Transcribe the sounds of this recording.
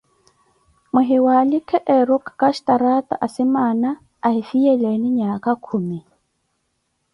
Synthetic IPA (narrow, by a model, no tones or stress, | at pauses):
mʊɦɪwalɪkʰɛʔɛɾʊkʰkaʃtaɾataʔasɪmaːnaː | hifijɛleniɲakakʰuːmi